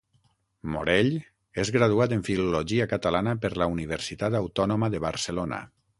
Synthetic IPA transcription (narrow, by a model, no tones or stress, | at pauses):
mo̰ɾeʎ | ezɣɾað̞uat̪eɱfiluloʒiakat̪alanəpəɾlauniβeɾsit̪at̪awt̪ɔnoməðəβaɾsəlonə̰